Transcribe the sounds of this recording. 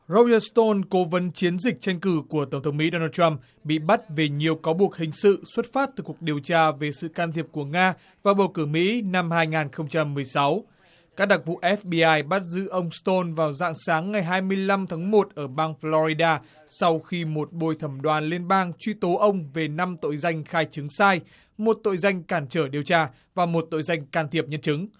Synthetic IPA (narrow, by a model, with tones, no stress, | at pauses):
zo˧zə˧st̪o˧nko˨˦və˨˦nt͡ɕi˨˦ənzï˨˩k̟̚t͡ɕa˧jŋ̟kɨ˧˩ku˧˩ət̪ə˧˩ŋ͡mt̪ʰə˨˦wŋ͡mmḭ˧˥ɗo˧naː˧t̚t͡ɕa˧m | ɓḭ˧˨ɓa˦˥t̚ve˨˩ɲi˨˩əwkaː˨˦wɓu˨˩ək̚hï˨˩ŋ̟sɨ̰˧˨swə˦˥t̚faː˦˥t̚t̪ɨ˨˩ku˨˩ək̚ɗi˨˩əwt͡ɕaː˧ve˨˩sɨ̰˧˨kaː˧nt̪ʰi˨˩əp̚ku˧˩əŋaː˧ | vaː˨˩wɓə˨˩wkɨ˧˩mḭ˧˥na˧mhaː˧jŋaː˨˩nxə˧wŋ͡mt͡ɕa˧mːɨ˨˩əjsa˨˦w | kaː˦˥k̚ɗa˨˩k̚vṵ˧˨ʔɛ˦˥fɓi˧ʔaː˧jɓa˦˥t̚zɨ̰˧˥ʔə˧wŋ͡mst̪o˧nvaː˨˩wza̰ː˧˨ŋsaː˨˦ŋːa˨˩jɦaː˧jmɨ˧əjla˧mt̪ʰaː˨˦ŋmo˨˩t̚ʔəː˧˩ɓaː˧ŋflɔ˧ɾi˧ɗaː˧ | sa˧wxi˧mo˨˩t̚ɓo˧jt̪ʰə˧˩mɗwaː˨˩nli˧ənɓaː˧ŋt͡ɕwi˧t̪o˨˦ʔə˧wŋ͡mve˨˩na˧mt̪o̰˧˨jza˧jŋ̟xaː˧jt͡ɕɨ˨˦ŋsaː˧j | mo˨˩t̚t̪o̰˧˨jza˧jŋ̟kaː˧˩nt͡ɕəː˧˩ɗi˨˩əwt͡ɕaː˧ | vaː˨˩mo˨˩t̚t̪o̰˧˨jza˧jŋ̟kaː˧˩nt̪ʰi˨˩əp̚ɲə˧nt͡ɕɨ˨˦ŋ